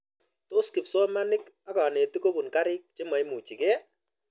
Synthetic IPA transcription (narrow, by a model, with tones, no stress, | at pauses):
to˦skɪ˨psɔ˦ma˦nɪ˦k | a˦ka˨ne˨ti˦ko˦bu˨nka˦ɾɪ˦k̚t͡ʃe˦ma˨jmu˨t͡ʃi˨kɛ˦